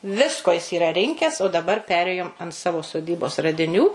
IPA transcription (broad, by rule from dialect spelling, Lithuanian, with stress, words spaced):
ˈʋʲɪskoː jɪs iːˈrɐ ˈrʲɪŋʲkʲɛs oː dɐˈbɐr ˈpʲæːrʲeːjoːm ɐnt ˈsɑːʋoː soːˈdʲiːboːs rɐdʲɪˈnʲuː